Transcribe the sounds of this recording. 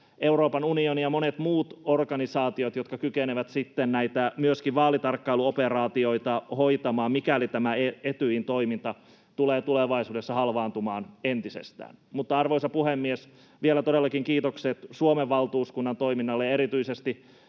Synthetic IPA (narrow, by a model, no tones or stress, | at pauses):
ʔe̞wɾoːpɑnunionijɑmonet̪muːt̪orɡɑnisɑːt̪iot̪jot̪kɑkykeneʋæt̪sit̪ːennæit̪æmyøskiʋʋɑːlit̪ɑrkːɑiluoperɑːt̪io̞it̪ɑhojt̪ɑmɑːmmikælit̪æmæeet̪yint̪o̞imint̪ɑ | t̪uleːt̪uleʋɑisuːdesːɑhɑlʋɑːnt̪umɑːnent̪isḛst̪æ̰ːnmut̪ːɑɑrʋoisɑpuhemːies | ʋielæt̪odelːɑkiŋkiːt̪okset̪suomeʋːɑlt̪uːskunːɑnt̪oiminːɑlːeɑeɾit̪yisest̪i